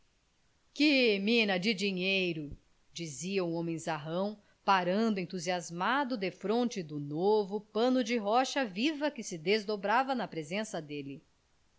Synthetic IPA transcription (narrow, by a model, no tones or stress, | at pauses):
kɪmĩnɐd͡ʒɪd͡ʒiɲejɾʊ | d͡ʒiziɐũõmẽj̃zaɦɐ̃w̃ | paɾɐ̃nd̪ʊẽnt̪uziazmad̪ʊd̪efɾõnt͡ʃɪd̪ʊnovʊpɐ̃nʊd͡ʒɪɦɔʃɐvivɐkɪsɪd̪ezd̪obɾavɐnɐpɾezẽsɐd̪elɪ